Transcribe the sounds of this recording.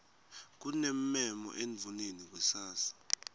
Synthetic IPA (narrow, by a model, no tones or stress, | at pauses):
k̬ʼunem̩mɛmɔ̰ʔeɱvʱunenik̬ʼusaːsḁ